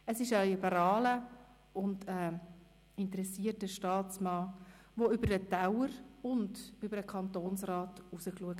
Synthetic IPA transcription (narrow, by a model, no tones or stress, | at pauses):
əsɪʃəlibəɾɑːlə | ʊndə | ɪntəɾɛsiətəʃtɑːt͡smɑː | ʋoʏbəɾdətawəɾʊndʏbəɾəkʰɑntoːnsrɑːtusəkluək